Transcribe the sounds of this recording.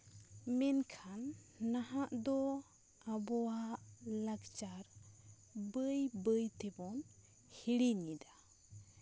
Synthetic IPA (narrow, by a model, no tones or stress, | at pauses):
mɛnkʰanːaɦaʔd̪ɔ | abɔwaʔlakt͡ʃaɾ | bəjbəjt̪ɛbɔn | hiɽiɲid̪a